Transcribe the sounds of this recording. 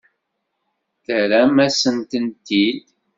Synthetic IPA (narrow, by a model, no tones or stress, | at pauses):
θəɾæmæsənt̪ənt̪id̪